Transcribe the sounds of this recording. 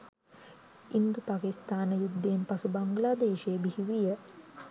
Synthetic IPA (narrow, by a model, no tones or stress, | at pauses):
ind̪upaːkist̪aːnəjud̪ːeːmpasubaŋɡlaːd̪eːʃebihiʋijə